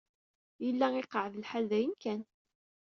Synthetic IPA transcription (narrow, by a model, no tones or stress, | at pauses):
jəlːæɪqəʕðəlħalðæjənkæn